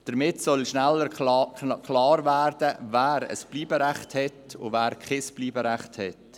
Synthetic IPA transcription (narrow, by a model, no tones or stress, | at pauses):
d̥əɾmɪtsɔlʃnælːəɾkʰlɑːɾvæːɾdəvæːɾə̰spliːbəɾɛχthɛtʊ̰væːɾkχɪspliːbəɾɛχthɛt